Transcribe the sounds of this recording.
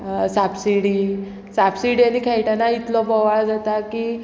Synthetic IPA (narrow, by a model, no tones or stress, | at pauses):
sabsiɽi | sabsiɽijanikʰɛjʈanait̪lɔbɔʋaɭad͡zat̪akiː